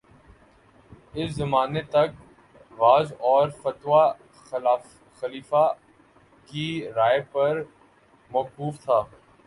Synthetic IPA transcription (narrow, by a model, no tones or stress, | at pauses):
ɪszɐmaːnet̪ɐk̚ | ʋaːzɔːɾfɐt̪wa | xɐliːfa | kiɾaːepɐɾ | mɐːkuːft̪ʰaː